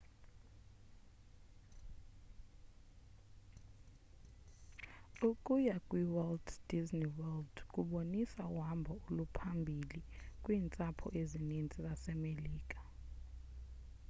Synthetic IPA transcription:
ukʼujakʼwiwɛldd̥izniwɛldkʼuɓonisawambʱɔulupʰambʱilikʼwiːnt͡sʼapʰɔ̰ʔezinint͡sʼizasɛmeliːkʼa

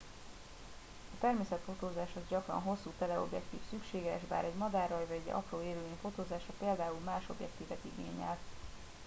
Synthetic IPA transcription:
ɒt̪ɛrmeːsɛt̪fo̞t̪oːzaːʃɒzɟɒkrɒ̰nɦo̞sːuːt̪ɛlɛo̞̰bjɛkt̪ḭːfsykʃeːɡɛʒba̰ːɾɛɟmɒd̪aːrːɒjvɒɟɛɟɒ̰proːeːɾyleːnfo̞t̪oːzaːʃɒpeːld̪aːulmaːʃo̞̰bjɛ̰kt̪iːvɛt̪iɡḛːɲːɛ̰l

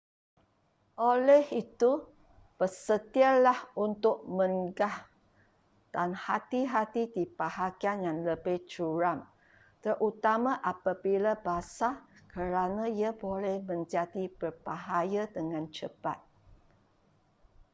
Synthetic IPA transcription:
ʔolɛhit̪u | b̥ərsət̪ialahunt̪ʊk̚mə̃ŋɡah | d̥anhat̪iɦat̪idibaɦaɡianjanləbɪht͡ʃuɾam | t̪ərʔut̪amãʔapabilabasakəɾanãiabolɛhmə̃ɲd͡ʒadib̥ərb̥aɦajadəŋãnt͡ʃəpa̰t̪̚

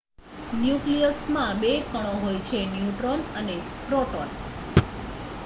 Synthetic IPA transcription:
njuklijəsmãbekəɽ̃õɦojt͡ʃʰenjuʈɾonənepɾoʈon

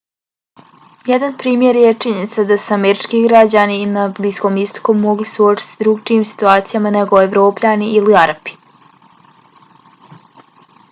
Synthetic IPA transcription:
jed̪anpɾiːmje̞ɾje̞t͡ʂiɲenit̪sad̪asuameɾit͡ʃkiɡɾad͡ʑaninabliːsko̞mist̪o̥komːo̞ɡlisuo̞t͡ʃi̥t̪sd̪ɾukt͡ʃiiːmsi̥t̪uaːt̪sijamane̞ɡoeʋɾo̞ːpʎʲaniʔiliaɾapi̥

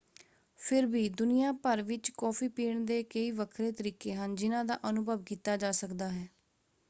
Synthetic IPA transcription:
pʰɪɾbiːd̪ʊnɪjãːpəɾʋɪt͡ʃkɔːpʰiːpiːɳd̪eːkəiːʋəkʰɾeːt̪əɾiːkeːɦənd͡ʒɪnãːd̪a̰ːʔənʊbʱəʋkiːt̪aːd͡ʒaːsəkd̪aːɦɛː

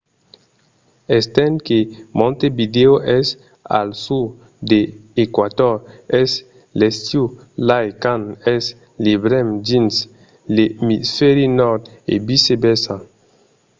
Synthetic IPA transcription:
est̪ɛ̃nkemɔ̃nt̪ebid̪eoʔɛs | a̰lsuɾ | d̪eːkwad̪ɔɾɛs | lest̪ju | lajkanɛs | libɾɛmd͡ʒins | lemisfɛɾinɔɾd̪ | ḛbisebɛsa

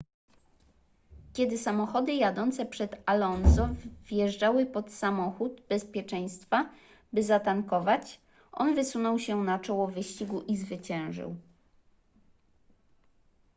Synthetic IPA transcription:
kʲɛd̪ɘsamɔxɔd̪ɘjad̪ɔnt̪sɛpʂɛd̪alɔnsɔvjɛʐd͡ʐawɘpɔt̪samɔxud̪bɛspʲjɛt͡ʂɛj̃st̪fa | bɘzat̪aŋkɔvat͡ɕ | ʔɔ̰nvɘsunɔwɕɛnat͡ʂɔwɔvɘɕt͡ɕiɡuʔizvɘt͡ɕɛ̃w̃ʐɘ̰w

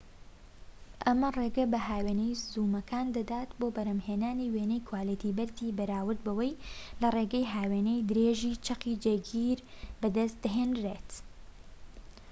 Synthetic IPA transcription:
ʔɐmɐreːɡɐbɐɦaːweːnɛjzuːmɐkʰaːnd̪ɐd̪aːt̪boːbɐɾɐmheːnaːniweːnejkʰwaːlit̪ibɐɾt̪ʰiːbɐɾaːwɨɾt̪̚bɐwɐjlɐreɡɐjɦaːweːnejd̪ɨɾeʒiːt͡ʃʰɐqid͡ʒeɡiːɾbɨd̪ɐst̪̚d̪ɐɦeːnd̪ɾet̪

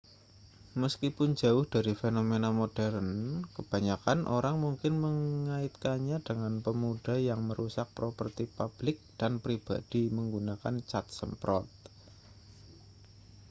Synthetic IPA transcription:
məskipʊnd͡ʒaʊhd̥aɾifenomenamod̥ɛrənkəb̥a̤ɲakanʔoɾaŋmuŋkɪnməŋaɪt̪̚kaɲad̥əŋanpəmud̥ajaŋməɾʔusak̚pɾopərt̪ipab̥lɪk̚d̥anpɾib̥a̰d̥iməŋɡunaka̰nt͡ʃat̪̚səmpɾɔ̰t̪̚

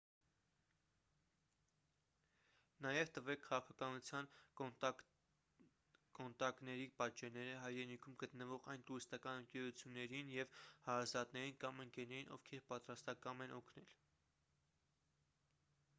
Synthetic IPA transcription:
nɑjɛvt̪əvɛkʰːɑʁɑkʰɑkɑnut͡sʰjɑn | kɔnt̪ɑknɛɾipɑt̪d͡ʒɛnɛɾəɦɑjɾɛnikʰumɡət̪nəvɔʁɑjnt̪uɾist̪ɑkɑnəŋkɛɾut͡sʰjunːɛɾinjɛvhɑɾɑzɑt̪nɛɾinkɑməŋkɛnɛɾinʔɔ̰vkʰɛɾpɑt̪ɾɑst̪ɑkɑmɛnʔɔkʰnɛl

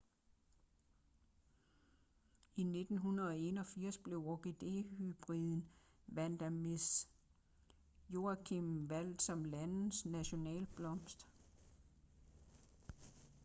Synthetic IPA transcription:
ine̝d̥n̩ɦunɐð̩ˠɒ̽e̝nɒ̽fiɐ̰sb̥le̝ʊoɡ̥e̝d̥e̝̰hyb̥ʁiðˠn̩ | ʋæn̰d̥æmes | jo̝ækʰimʋæl̰d̥sɒ̽mlæn̩snæɕo̝nɛ̰ːlb̥lɒ̽msd̥

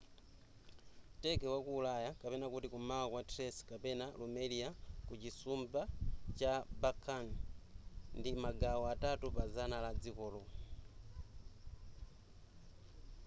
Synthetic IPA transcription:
tekewakuːlajakapenakutikumawakwatreskapenalumeliakucisumbat͡ʃabakʰan | ndimaɡaɔatatupazanalad͡zikolu

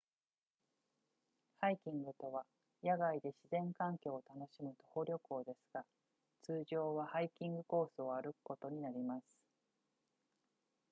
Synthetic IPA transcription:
haikʲĩŋɡɯ̟t̪o̞βa | jaɡaid̪e̞ɕizẽ̞ŋkãŋkʲo̞ːt̪ano̞ɕimɯ̟t̪ohoɾʲo̞ko̞ːd̪e̞sɨ̥ɡ̥a | t͡sɨːʑo̞ːβahaikʲĩŋɡɯ̟ko̞ːsɨoaɾɯkɯ̟̥ko̞t̪o̞ɲ̟inaɾʲimasɨ̥

